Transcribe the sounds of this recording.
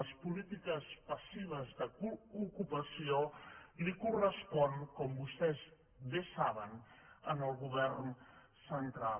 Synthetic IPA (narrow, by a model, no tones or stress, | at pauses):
əspulit̪ikəspəsiβ̞əzðəkuukupəsiolikurəspɔnkɔmbust̪ɛz | βesaβənənəlˠɣuβɛrn | sənt̪ɾal